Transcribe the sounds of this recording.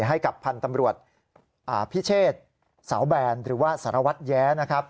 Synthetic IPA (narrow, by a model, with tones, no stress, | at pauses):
ɦa˥˩jka˨˩pʰːa˧nt̪a˧mɾu˨˩ət̪̚ | ʔaː˨˩pʰi˦˥˩t͡ɕʰeː˥˩t̪̚ | sa˩˦wbɛː˧nɾɯː˩˦waː˥˩saː˩˦ɾa˧wa˦˥t̪̚jɛː˦˥na˦˥kʰɾa˦˥p̚